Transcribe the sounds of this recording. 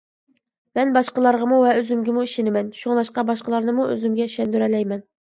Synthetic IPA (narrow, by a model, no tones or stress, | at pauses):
mɛnbɑʃqəlˠɑɾʁɑmuvɛøzymɡʲɪmuiʃɪnɪmɛnʃuŋlˠɑʃqɑbɑʃqəlˠɑɾnɨmuø̰zymɡʲɛ̥ʃɛnd̪yɾɛlɛjmɛn